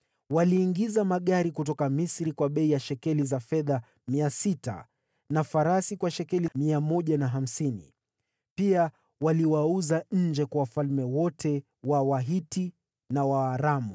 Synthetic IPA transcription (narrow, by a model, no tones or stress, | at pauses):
waliːŋɡizamaɠaɾikut̬ɔkamisɾikwaɓɛijaʃɛkɛlizafɛða | miasita̰ | nafaɾasikwaʃɛkɛlimiamɔʄanaɦam̩sinḭ | pia | waliwauzaɲ̩d͡ʒɛkwawafalmɛwɔtʰɛ | wawaɦiti | nawaːɾamu